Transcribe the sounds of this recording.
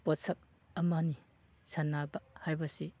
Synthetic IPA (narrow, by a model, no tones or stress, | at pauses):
pɔsɐk̚ | ɐmani | sɐnːabɐhajbɐsi